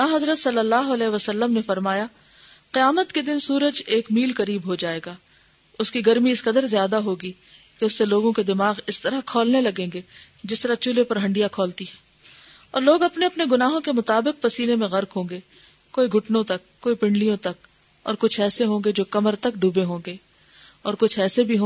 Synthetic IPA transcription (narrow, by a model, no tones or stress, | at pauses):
naːɦɐzɾət̪sɐlːəlːaːɦoɐlɛːʋəsɐlːəmnefɐɾmaːja | qɪjaːmət̪ked̪ɪnsuːɾəd͡ʒeːkmiːlkɐɾiːbɦod͡ʒaːeːɡaː | ʊskiɡɐɾmiɪsqɐd̪əɾzjaːd̪aɦoːɡi | keʊsːeloːɡõked̪ɪmaːɣɪst̪ɐɾakʰɔːlnelɐɡẽːŋɡe | d͡ʒɪst̪ɐɾat͡ʃulepɐɾɦɐ̃ɳɖijakʰɔːlt̪iɦɛ̃ː | ɔːɾloːɡɐpneɐpneɡʊnaːɦõkemʊt̪aːbɪq̚pɐsiːlemẽɣɐɾkɦõːŋɡe | koːiɡʱʊʈnõt̪ɐkːoːipɪ̃ɳɖlijõt̪ɐk | ɔ̰ːɾkʊt͡ʃʰɛːseɦõːŋɡed͡ʒoːkɐməɾt̪ɐkɖuːbeɦõːɡe | ɔːɾkʊt͡ʃʰɛːsebʱiɦõː